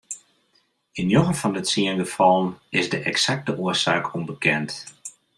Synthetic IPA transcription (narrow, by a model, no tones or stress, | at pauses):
ɪnjoɣəfɔndətsiənɡəfɑlˠənɪzdəʔɛksak̚təʔuəsaːkʰombəkʰɛnt